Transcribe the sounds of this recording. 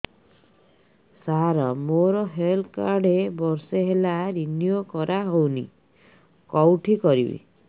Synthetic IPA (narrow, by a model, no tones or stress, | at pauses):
saɾɔmoɾɔɦelkaɾɖebɔɾseɦelaɾinjokɔɾaɦownḭ | kɔwʈʰikɔɾḭbḭ